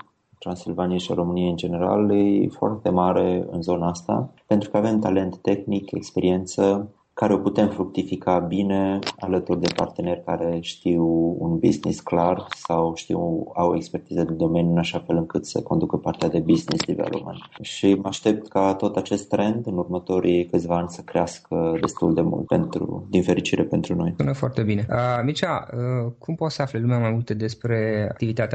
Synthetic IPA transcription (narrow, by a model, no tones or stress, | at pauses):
t̪ɾansilvanijeʃa̰ɾo̞mɨnijeɨnd͡ʒe̞ne̞ɾa̰lejefoa̰rt̪e̞maɾe̞ɨ̰nzo̞naast̪a̰pe̞nt̪ɾukəave̞mt̪ale̞nt̪ːe̞xnikʰe̞̰kspe̞ɾie̞nt̪sə | kaɾe̞oput̪e̞mfɾuk̚t̪ifikabine̞alət̪urd̪e̞pa̰rt̪e̞ne̞rʲkaɾe̞ʃt̪iwṵnbḭznḭsklarsawʃt̪ḭwawekspe̞rt̪ized̪ed̪o̞me̞nʲjuɨnaʃafe̞lɨŋkɨt̪sə̰ko̞nd̪ukəpart̪ead̪e̞biznḭslivḛlo̰ma̰nʃimaʃt̪e̞p̚t̪kat̪o̞t̪at͡ʃe̞st̪ːɾe̞nd̪ɨnurmət̪o̞ɾʔikɨt̪sʲvaanʲsəkɾeaskəd̪e̞st̪uld̪e̞mṵlt̪̚pe̞̰nt̪ɾṵd̪infe̞ɾit͡ʃiɾepent̪ɾuno̞junəfoart̪e̞bine̞əmit͡ʃaəkʰumpo̞t̪səaflelumeamajmult̪ed̪espɾe̞a̰kt̪ivit̪at̪ea